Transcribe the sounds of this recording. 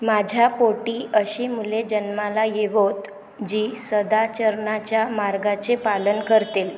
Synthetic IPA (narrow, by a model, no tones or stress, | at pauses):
mad͡ʑʱjapoʈiːʔəɕiːmuled͡ʑənmalajeʋot̪ | d͡ʑiːsəd̪at͡ɕəɾɳat͡ɕjamaɾɡat͡sepalənkəɾt̪el